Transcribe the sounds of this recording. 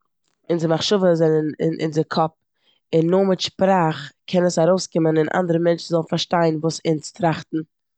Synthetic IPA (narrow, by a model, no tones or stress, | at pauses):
ɪnzɪmaχʃʊvəzɛnənɪ̰nɪ̰nzɪkʰɔp̚ | ɪnːʊmɪtʃpɾaːχkʰɛnəsaɾoʊskɪmənɪnʔa̰ndəɾəmɛnt͡ʃn̩zɔlˠn̩faɾʃtaɪnvuːsɪnstɾaχtn̩